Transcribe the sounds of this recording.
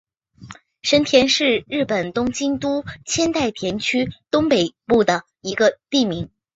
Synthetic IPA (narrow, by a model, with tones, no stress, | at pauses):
ʂə˥nt̪ʰjɛ˧˥nʂɻ̩˥˧ɻɻ̩˥˩pə˨˩nt̪ʊ˥ŋt͡ɕi˥nt̪u˥t͡ɕʰjɛ˥nt̪a˥˩ɪt̪ʰjɛ˧˥nt͡ɕʰy˥t̪ʊ˥ŋpe˨˩ɪpu˥˩d̪ə˩ | i˧˥ɡə˧t̪i˥˩mi˧˥ŋ